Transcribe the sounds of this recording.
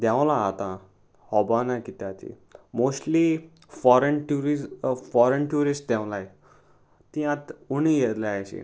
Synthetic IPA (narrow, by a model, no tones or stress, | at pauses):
d̪jãw̃laːt̪ã | hɔbanakit̪at̪ḭ | mosʈli | fɔɾenʈuɾifɔɾənʈjuɾisʈ̚d̪ɛ̃wlaj | t̪ĩãt̪unijet̪laajɕḭ